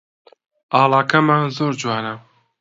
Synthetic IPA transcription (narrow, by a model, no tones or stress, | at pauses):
ʔɑːlˠaːkʰɐmaːnzoːɾd͡ʒwaːnɐ